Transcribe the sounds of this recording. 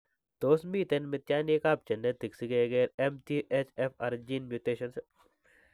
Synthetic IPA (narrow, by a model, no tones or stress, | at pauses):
t̪oːsmiːt̪enmɪt̪jaːnekaːp̚t͡ʃɐnːet̪iksiɡeːɡeːɾemt̪iːʔet͡ʃefʰaːɾd͡ʒiːnmjuːt̪eːʃɐns